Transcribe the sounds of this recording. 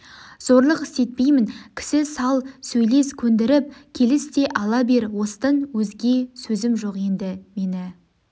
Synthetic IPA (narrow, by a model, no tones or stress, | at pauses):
z̥oɾlˠəqɪ̥st̪e̞t̪̚pe̞jmɪnkʲʰɪ̥sɪsɑlˠsɵjle̞skʲʰɵnd̪ɪɾɪp̚kʲʰe̞lɪst̪e̞ʔɑlˠɑbe̞ɾwo̞st̪ənwɵzɡʲe̞sɵzɪmʒo̞qje̞nd̪ɪme̞nɪ